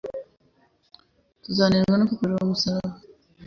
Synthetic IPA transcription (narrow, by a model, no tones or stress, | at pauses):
tuzaːniɾɡanokukuɾeɾomusaɾaβa